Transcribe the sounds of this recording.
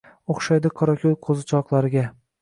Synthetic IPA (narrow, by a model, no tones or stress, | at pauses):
oχʃajd̪ɪqʰɒɾɒkʲʰolˠqʰozɪt͡ʃʰɒqlˠaɾɪɡʲa